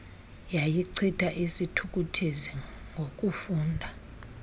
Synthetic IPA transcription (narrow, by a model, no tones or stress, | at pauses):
jajiǀʰitʰaʔisitʰuk̬ʼutʰeziŋɡʱokʼufuːndʱa